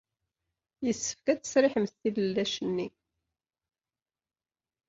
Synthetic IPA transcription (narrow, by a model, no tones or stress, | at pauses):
jəsːə̥fkæt͡sːə̥sɾɪħəmθθiləlːæʃənːi